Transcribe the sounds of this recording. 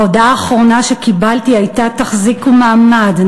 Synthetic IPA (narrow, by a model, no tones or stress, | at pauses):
odaːχʁo̞naʃekibalt̪iajtat̪aχzikumaːmad